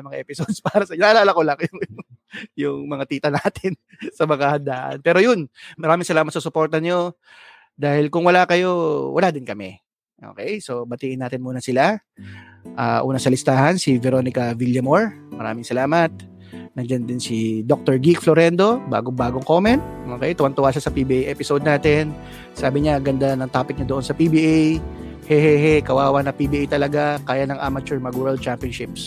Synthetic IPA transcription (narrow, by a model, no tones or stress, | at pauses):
ɐmɐŋaʔɛpɪsod̪̚spaːɾɐsɐnɐʔːlaːlɐkolɐŋjʊŋ | jʊŋmɐŋat̪iːt̪ɐnaːt̪ʰɪn | sɐmɐŋahɐnd̪aːʔɐ̰npɛːɾojʊnmɐɾaːmɪŋsɐlaːmɐt̪sɐsʊpo̞ɾt̪ɐɲo̞ | d̪aːhɪlkʊŋwɐlaːkɐjo̞wɐ̰laːd̪ɪnkɐmɛ | ʔo̰ːkɛjso̞bɐt̪iːʔɪnaːt̪ɪnmuːnɐsɪla | ʔaʔṵːnɐsɐlɪst̪aːhɐnsɪvɛɾo̞nɪkɐviljɐmoɹmɐɾa̰ːmɪŋsɐlaːmɐt̪̚ | nɐŋd͡ʒand̪ɪnsid̪ok̚t̪oɹɡikfloɾɛnd̪o̞ba̰ːɡoŋbaːɡoŋko̞mɛnt̪̚ʔo̞ːkɛjt̪ʊwɐnt̪ʊwaːʃasɐpibiʔejʔɛːpɪsod̪̚naːt̪ɪn | saːbɪɲaɡɐnd̪anɐŋt̪aːpɪk̚ɲɐd̪oonsɐpibiʔej | hɛhɛhɛkɐwaːwɐnɐpibiʔajt̪ɐlɐɡakaːjanɐŋʔamɐt͡ʃʊɹmɐɡwɛld̪̚t͡ʃampiɐnʃɪp̚s